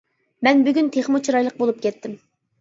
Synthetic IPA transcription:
mɛnbyɡʲynt̪ʰeχmut͡ʃʰiɾɑjlˠəq̚bolˠup̚kʲʰɛt̪ːɪm

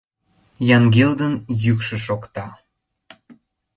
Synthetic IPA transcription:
jɑŋɡeld̪ənjykʃə̆ʃokt̪ɑ

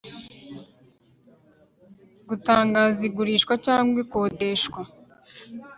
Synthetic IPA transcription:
ɡutaːŋɡaːziɡuɾiːʃkwacaːŋɡwekoːdeʃkwa

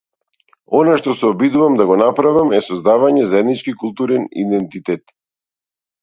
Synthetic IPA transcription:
ɔnaʃt̪ɔsɛɔbid̪uvamd̪aɡɔnapɾavamɛsɔzd̪avaɲɛzaɛd̪nit͡ʃkikulˠt̪uɾɛnḭd̪ɛnt̪it̪ɛt̪

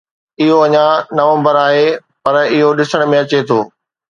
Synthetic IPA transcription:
ɪɦoɐɲãnɐʋə̃mbəɾaːɦepɐɾɪɦoɗɪsəɽ̃mẽɐt͡ɕet̪ʰoː

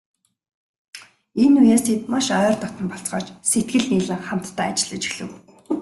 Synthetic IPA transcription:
enujaːst̪ʰet̪maʃœːrt̪ɔt̪ə̆mpɔɬt͡sɢɔ̰ːt͡ɕset̪̚ɡɘ̆ɮniːɮɘ̆ŋχam̥t̪ːaːt͡ɕɪ̆ɮə̆t͡ɕi̥xɮɘ̆ɣ

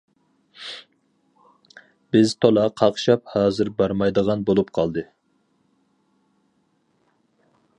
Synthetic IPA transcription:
b̥ɪzt̪ʰolˠɑqʰɑχʃɑp̚hɑːzɨɾbɑɾmɑjd̪əʁɑnbolˠupqʰɑlˠd̪ɨ

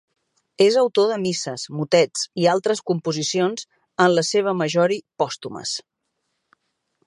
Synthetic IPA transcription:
ezəwt̪oðəmisəzmut̪ɛt͡sialˠt̪ɾəskumpuzisionz | ənləseβ̞əməʒɔɾipɔst̪umə̰s

